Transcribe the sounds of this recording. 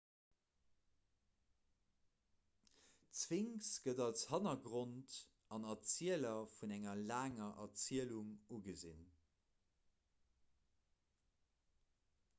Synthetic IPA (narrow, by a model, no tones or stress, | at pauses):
t͡sviŋsɡ̥ədɑlshɑnɐɡʁont | ɑnɑt͡siəlɐfunæŋɐlaːŋɐʔɐt͡siəluŋuɡəzḭn